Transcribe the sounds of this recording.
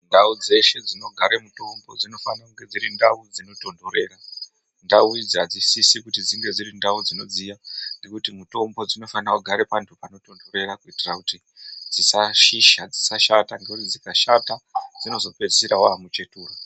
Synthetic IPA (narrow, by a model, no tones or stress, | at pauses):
ndaud͡ze̞ʃe̞d͡zino̞ɡʱaɾemuto̞mbo̞d͡zino̞fanakuŋɡe̞d͡ziɾindaud͡zino̞to̞ndo̞ɾe̞ːra | ndaud͡zad͡zisisikutid͡ziŋɡe̞d͡zirindaud͡zino̞d͡zijaŋɡe̞kutimuto̞mbo̞d͡zino̞fanakuɡʱaɾepantʰupano̞to̞ndo̞ɾe̞rakuitirakuti | d͡zisaʃiʃad͡zisaʃataŋɡeurid͡zikaʃatad͡zino̞zo̞pe̞̥siɾawamut͡ʃe̞tuːro